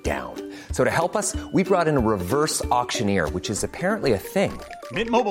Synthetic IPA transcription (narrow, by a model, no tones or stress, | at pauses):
d̥ã̰ʊ̃n | soʊɾɨhɛlˠpʌswibɹɔɾɨ̃nəɹɨvɜ˞sɑkʃɨ̃nɪ̰ɹwɨt͡ʃɨzɨpʰɛɹɨ̃nʔliɨθɪ̃ŋ | mɪt̚moʊb